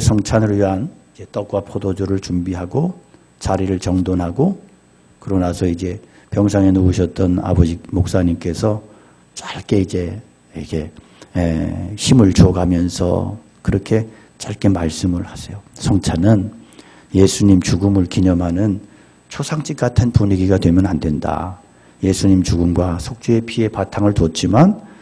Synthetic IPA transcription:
sʰʌŋt͡ɕʰanɯɭɥiɦanid͡ʑe̞t͈ʌk̚k͈wapʰodod͡ʑoɾɯɭt͡ɕumbiɦaɡo | t͡ɕaɾiɾɯɭt͡ɕʌŋdonɦaɡo | kɯɾʌnasʰʌid͡ʑe̞ | pjʌŋs̬ʰaŋenuuɕʰʌt̚t͈ʌna̰bʌd͡ʑimok̚s͈aɲimk͈e̞sʰʌ | t͡ɕaɭk͈e̞id͡ʑe̞ | ikʰe | ḛɕʰimɯɭt͡ɕoɡamjʌnsʰʌ̰ | kɯɾʌkʰe̞ | t͡ɕaɭk͈e̞maɭs͈ɯmɯɭhasʰe̞josʰʌŋt͡ɕʰanɯn | je̞sʰuɲimt͡ɕuɡɯmɯɭkiɲʌmɦanɯn | t͡ɕʰosʰaŋt͡ɕ͈ik͈atʰɯnpuɲiɡiɡadwe̞mjʌnandwe̞nda̰ | je̞sʰuɲimt͡ɕuɡɯmɡwasʰok̚t͡ɕ͈ue̞pʰie̞patʰaŋɯɭt͡ɕot͡ɕ͈iman

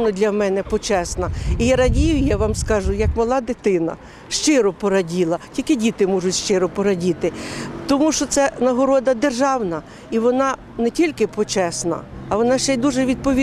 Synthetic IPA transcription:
nɔd̪ʲlʲɐmɛnɛpɔt͡ʃɛsnɐijaɾɐdʲijʊjaʋɑmskɑʒʊjɐkmɐlˠɑd̪ɪt̪ɪnɐ̰ | ʃt͡ʃɪɾɔpɔɾɐdʲilˠɐtʲilʲkɪdʲit̪ɪmɔʒʊtʲʃt͡ʃɪɾɔpɔɾɐdʲit̪ɪt̪ɔmuʃt͡ʃɔt̪sɛnɐɦɔɾɔd̪ɐd̪erʒɑwnɐ | iʋɔnɑ | nɛtʲilʲkɪpɔt͡ʃɛsnɐ̰ːʋɔnɑʃt͡ʃɛd̪uʒɛʋʲid̪̚pɔʋʲi

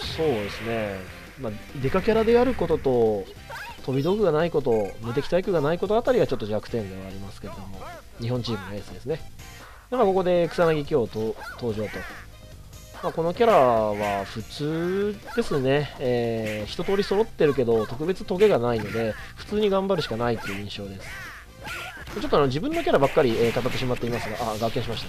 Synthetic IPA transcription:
so̞ːd̪e̞sɨne̞ | mad̪e̞kakʲaɾad̪e̞aɾɯ̟ko̞t̪o̞t̪o̞ | t̪o̞bʲid̪o̞kɯ̟ɡanaiko̞t̪o̞mɯ̟t̪̬e̞kʲi̥t̪aikɯ̟ɡanaiko̞t̪o̞at̪aɾʲiɡat͡ɕo̞t̪ːo̞ʑakɯ̟̥t̪ẽ̞nd̪e̞βaːɾʲimasɨ̥ke̞ɾe̞d̪o̞mo̞ | ɲ̟iɦõ̞ɲ̟t͡ɕiːmɯ̟noe̞ːsɨd̪e̞sɨne̞ | d̪emako̞ko̞d̪e̞kɯ̥sanaɡʲik̬ʲio̞t̪ot̪o̞ːʑo̞ːt̪o̞ | mako̞no̞kʲaɾaβaɸɯ̟t͡sɨːd̪̥e̞sɨne̞ː | çi̥t̪o̞t̪o̞ːɾʲiso̞ɾo̞t̪ːe̞ɾɯ̟k̬e̞d̪o̞t̪o̞kɯ̟be̞t͡sɨt̪o̞ɡe̞ɡanaino̞d̪e̞ | ɸɯ̟̥t͡sɨːɲ̟iɡãmbaɾɯ̟ɕi̥kanait̪ːeiɯ̟ĩɰ̃ɕo̞ːd̪e̞sɨ̥ | mat͡ɕo̞t̪ːoano̞d͡ʑibɯ̟̃nːo̞kʲaɾabakːaɾʲieːkat̪at̪ːe̞ɕimat̪ːeimasɨɡaʔaɡakːẽɕimaɕi̥t̪ḁ

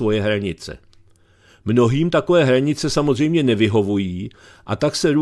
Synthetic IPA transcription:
vo̞jɛɦɾaɲɪt͡sɛ̰ | mno̞ɦiːmt̪ako̞vɛːɦɾaɲɪt͡sɛsamozr̝ɛjmɲɛnɛvɪɦo̞vujiː | ʔat̪aksɛɾu

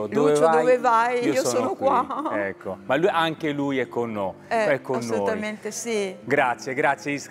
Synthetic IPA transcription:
od̪ovɛt͡ʃvɔadvevajiioɔsɔːnokwaɛkːomalːuʔaŋkelujɛkːonːo | ɛɛkːonsːolouːt̪ament̪esiɡɾat̪sjɛɡɾat̪sːjeis

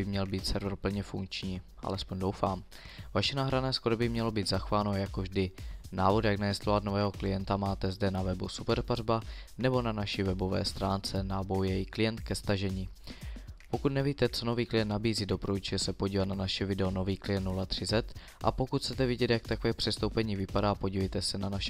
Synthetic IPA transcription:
ɪmɲɛlbiːt̪sɛɾvɾpl̩ɲɛfuŋkt͡ʃɲiː | ʔa̰lɛspo̞ɲdowfaːm | vaʃɛnaːɦɾanɛːskoɾobɪmɲɛlo̞biːd̪zaxovaːnojakovʒdɪnaːvo̞d̪jaɡnajɛst̪lovat̪no̞vɛːɦo̞klɪjɛnt̪amaːt̪ɛzdɛnavɛbṵsupɛɾparbanɛbo̞nanaʃɪvɛbo̞vɛ̰ːst̪ɾaːnt͡sɛnabojjɛjɪklɪjɛnt̪kɛst̪aʒɛɲiː | po̞kut̪nɛviːt̪ɛt͡so̞no̞viːklɪjɛnt̪nabiːziːdo̞pɾoʒɛsɛpo̞ɟiːvat̪nanaʃɛvɪdɛono̞viːklɪjɛnt̪nulat̪r̥ɪzɛt̪ | ʔa̰po̞kut̪ʰt͡sɛt̪ɛvɪɟɛt̪jakt̪akovɛːpr̥ɛst̪owpɛɲiːvɪpadaːpo̞ɟiːvɛjt̪ɛsɛnanaʃɛ

